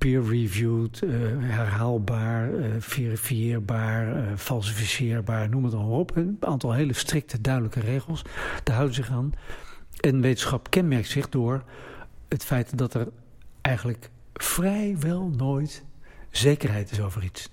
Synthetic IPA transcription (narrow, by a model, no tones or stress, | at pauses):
piːɹɹivjutɦɛɹɦaːlˠbaːɹfirifijɪːɹbaːɹfɑlˠs̬ifisɪːɹbaːɹnuməətɑlˠmarɔpaːntɑlˠɦejləstrɪk̚tʰədœɥdələkərejχəlˠsd̥aɦʌwdəzɪχaːn | ɛnʋejtənsχɑpkɛnmɛɹk̚tsɪχdʊːɹ | ɦətfɛjtdɑtɛɹ | ɛjχənlək | frɛjʋɛlˠnoːjtzejkəɹɦɛjtɪsowvərits